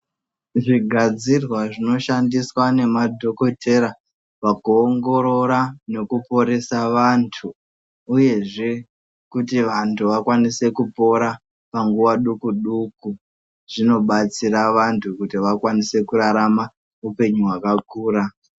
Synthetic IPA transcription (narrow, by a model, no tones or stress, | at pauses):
ʐiɡʱad͡zirwaʐino̞ʃandiswane̞madʱo̞ko̞tʰe̞ɾa | ʋakuoːŋɡo̞ɾo̞ɾane̞kupo̞ɾe̞saʋantʰu | uje̞ʐe̞ | kutiʋantʰuʋakwanise̞kupo̞ɾa | paŋɡuʋaɗukuɗuku | ʐ̥ino̞ɓat͡siɾaʋantʰukutiʋakwanise̞kuɾaɾama | upe̞ɲuɦwakakuːɾa